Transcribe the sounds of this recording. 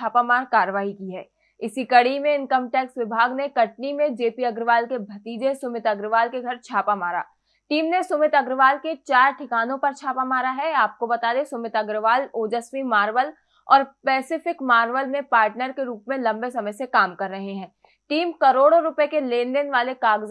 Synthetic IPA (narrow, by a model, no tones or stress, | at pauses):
t͡ʃaːpamaːɾkaːɾəʋaːɦikiɦɛː | ɪsikɐɽ̤imẽɪ̃nkəmʈɛːksʋɪbʱaːɡnekɐʈ̚nimẽd͡ʒeːpiɐɡɾɪʋaːlkebʱɐt̪iːd͡ʒesʊmɪt̪ɐɡɾɪʋaːlkeɡʱɐɾt͡ʃʰaːpamaːɾa̰ː | ʈiːmnesʊmɪt̪ɐɡɾɪʋaːlket͡ʃaːɾʈʰɪkaːnõpɐɾt͡ʃʰaːpamaːɾaɦɛaːp̚kobɐt̪aːd̪esʊmɪt̪ɐɡɾɪʋaːloːd͡ʒəsmimaːɾʋəl | ɔːɾpɛːsɪfɪkmaːɾʋəlmẽpaːɾʈnəɾkeɾuːpmẽlɐ̃mbesɐməjsekaːmkɐɾːɐɦeɦɛ̃ː | ʈiːmkɐɾoːɽoɾʊpekeleːndenʋaːlekaːɡz